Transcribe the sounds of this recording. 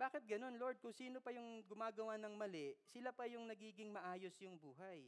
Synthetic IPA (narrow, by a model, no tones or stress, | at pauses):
b̥aːkɪt̪̚ɡɐno̞nlo̞ɹd̪̚kʊŋsiːnopɐjʊŋɡʊmaːɡɐwanɐŋmɐlɛʔsɪlapɐjʊŋnɐɡiːɡɪŋmɐʔaːjosjʊŋbuːɦɐj